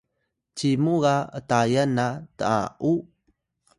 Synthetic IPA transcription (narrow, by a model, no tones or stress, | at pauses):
t͡ɕimuɾaətajanatəa̰ʔu